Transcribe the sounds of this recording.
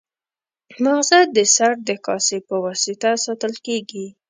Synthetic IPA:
maɣzad̪̚dːəsaɾd̪əkɑsepəwɑsɪt̪asɑt̪əlkeɡi

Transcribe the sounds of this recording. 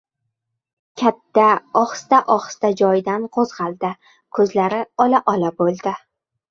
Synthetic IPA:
kʲʰat̪ʰːaɒχst̪aʔɒχst̪ad͡ʒɒjd̪anqʰozʁɑlˠd̪ɪ | kʰɵzlaɾɪɒlaʔɒlabolˠd̪ɪ

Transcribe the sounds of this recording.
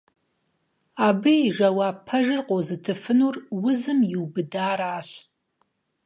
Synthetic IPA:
abɨiʒawaːpʰɐʒɨrqʼozɨtʰɨfɨnurwʊzɨmjiwbɨdaːɾaːʃʷ

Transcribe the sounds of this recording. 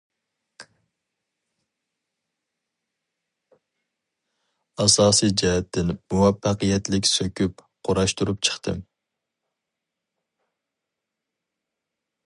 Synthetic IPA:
ɑsɑːsijd͡ʒɛɦɛt̪ʰːɪnmuwɛfːæqijɛt̪lɪkʲsøkʲʰyp | qʰoɾɑʃt̪uɾup̚t͡ʃʰə̥χt̪ʰɨm

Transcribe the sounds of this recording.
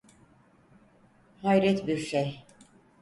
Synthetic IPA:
hajɾɛt̪biɾʃej

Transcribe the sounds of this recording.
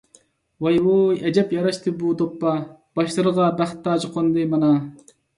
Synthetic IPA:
wɑjwojɛd͡ʒɛpjɑɾɑʃt̪ʰɨbud̪opːɑb̥ɑʃlˠɨɾəʁɑbæχt̪ʰːɑːd͡ʒɨqʰond̪ɨmɑnɑ

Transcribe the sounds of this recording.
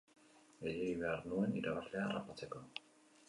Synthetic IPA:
ejeiβeaɾnue̞niɾaβasle̞aːra̰pat͡se̞ko̞

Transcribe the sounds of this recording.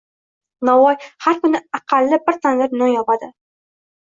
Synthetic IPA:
nawɒjhaɾkʊnɪaqʰɑlːɪbɪɾt̪ʰanlɪɾnonjɒpad̪ɪ

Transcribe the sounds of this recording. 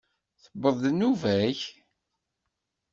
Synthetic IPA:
θəbːəðˤðnuvæç

